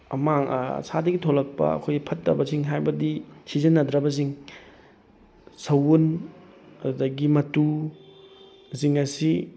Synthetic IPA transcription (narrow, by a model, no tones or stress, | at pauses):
ɐ̰maŋ̰sadɐɡitʰolɐk̚pɐ̰ɐ̰kʰojɐpʰɐtːɐ̰bɐziŋɦajbɐdisizɐnːɐdɾɐbɐziŋ | sɐwun | ɐdudɐɡimɐtu | ziŋɐsi